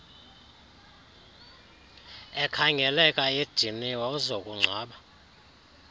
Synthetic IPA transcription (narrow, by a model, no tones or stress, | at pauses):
ɛkʰaŋɛlɛkʼajed̥d̥ʱiniwɔzokʼuŋ͡ǀʱaːɓa